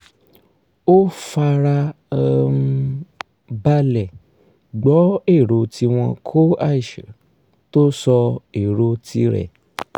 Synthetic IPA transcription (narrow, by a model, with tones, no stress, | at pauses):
o˦fa˧ɾa˧˦ | ba˧lɛ˨ | ɡ͡bɔ˨˦e˦˨ɾo˨˧tʰi˧w̃ɔ̃˧kʰo˦a˦˨i˨ʃɛ˨ | to˦sɔ˧e˨ɾo˧tʰi˧ɾɛ̰˨